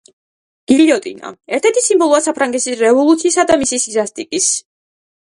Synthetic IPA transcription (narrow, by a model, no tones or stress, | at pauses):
ɡ̥iliɔt̪ʼina̰ɛɾt̪ʰɛɾt̪ʰisimbɔlˠuasapʰɾaŋɡɛt̪sisɾɛvɔlˠut̪sʰiːsad̪amisisizast̪ʼikʼis